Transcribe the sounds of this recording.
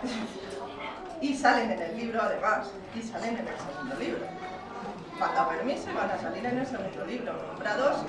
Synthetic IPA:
isale̞nene̞lːiβ̞ɾoaðemas | isale̞nene̞lse̞ɣ̞und̪o̞liβɾo | fat̪ape̞ɾmisoβanasaliɾenelse̞ɣund̪oliβ̞ɾo̞nombɾaðo̞s

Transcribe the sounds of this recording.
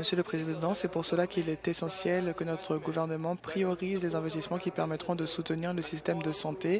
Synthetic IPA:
məsjøləpχezid̪ɑ̃sɛpuʁsəlakʲilɛt̪esɑ̃sjɛlkənɔt̪χəɡuvɛʁnəmɑ̃pχijɔʁizlezɛ̃vɛst̪ismɑ̃kʲipɛʁmɛt̪χɔ̃d̪əsut̪əniʁləsist̪ɛmd̪əsɑ̃t̪e

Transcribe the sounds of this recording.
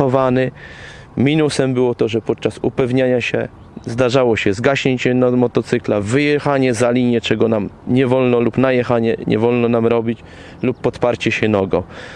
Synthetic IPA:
ɔvanɛ | mʲinusɛmbɘwɔt̪ɔʐɛpɔt̪̚t͡ʂasṵpɛvɲaɲaɕɛ̰ | zd̪aʐawɔɕɛzɡaɕɲeɲt͡ɕɛnmɔt̪ɔt̪sɘklavɘjɛxaɲɛzalʲiɲɛt͡ʂɛɡɔnamɲɛvɔlnɔlupnajɛxaɲɛ̰ɲɛ̰vɔlnɔnamɾɔbʲit͡ɕ | lupːɔt̪paɾt͡ɕɛɕɛnɔɡɔ

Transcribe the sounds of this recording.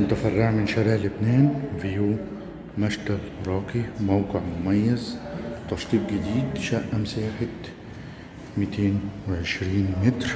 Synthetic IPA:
nt̪afarˤːɑʕmɪnʃaɾɪʕlɪbneːnvijuː | maʃd̪alɾˤɑːqimawqɪʕmʊmajːazt̪ɑʃt̪ˤiːb̪̚ɡɪd̪iːd̪ʃaʔamsaːħɪt̪ | mit̪ʰeːnwɪʕɪʃɾiːnmɪt̪ɾ

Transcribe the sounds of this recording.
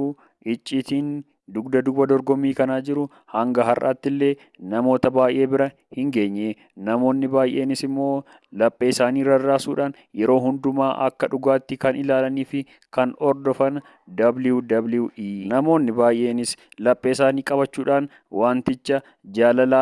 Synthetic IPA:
ʔɪt͡ʃʼːiːt̪iːn | d̪ʊɡd̪ɐd̪ʊbɐd̪ɔɾɡɔmːiːkɐnaːd͡ʒɪɾʊ | hɐŋɡɐɦɐrʔa̰ːt̪ːɪlːe̞ː | nɐmo̞ːt̪ɐbaːjʔe̞ːbɪɾɐ | hɪŋɡe̞ːɲːeː | nɐmo̞ːnːɪbaːjʔe̞ːnɪsɪmːo̞ː | lɐpʼːeːɪsaːniːɾɐraːsuːᶑaːn | jɛɾo̞ːɦʊnd̪ʊmaːʔɐ̰kːɐᶑʊɡaːt̪ːɪkɐnɪlaːlɐniːfɪ | kɐnɔɾd̪ɔfɐn | d̪ɐbld̪ɐblɪʔiːnɐmo̞ːnːɪbaːjʔe̞ːnɪslɐpʼːeːɪsaːniːkʼɐbɐt͡ʃːuːᶑaːn | waːnt̪ɪt͡ʃːɐ | d͡ʒaːlɐlaː

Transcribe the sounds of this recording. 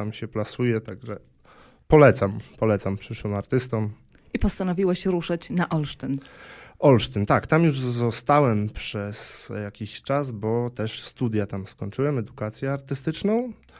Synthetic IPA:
amɕɛplasujɛt̪aɡʐɛ | pɔlɛt̪sampɔlɛt̪sampʂɘʂwɘmaɾt̪ɘst̪ɔm | ipɔst̪anɔvʲiwaɕɾuʂat͡ɕnaʔɔlʂt̪ɛnʔɔlʂt̪ɘnt̪akt̪amjuʐzɔst̪awɛmpʂɛsjakʲiɕt͡ʂazbɔt̪ɛʂst̪ud̪ʲjat̪amskɔɲt͡ʂɘwɛmɛd̪ukat̪sʲjɛaɾt̪ɘst̪ɘt͡ʂnɔ̃w̃

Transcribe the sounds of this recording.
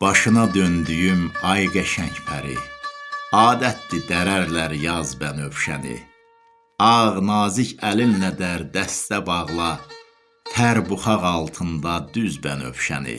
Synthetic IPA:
b̥ɑʃɯnɑd̪ønd̪yjymɑjɡæʃæɲcpʰæɾḭ | ɑːd̪æt̪̚lid̪æɾæɾlæɾjɑzbænøvʃæ̰nḭ | ɑʁnɑːzicʰælimnæd̪æɾd̪æst̪æbɑʁlˠɑ | t̪ʰæɾbuχɑʁɑlˠt̪ʰɯnd̪ɑd̪yzbænø̰vʃæ̰nḭ

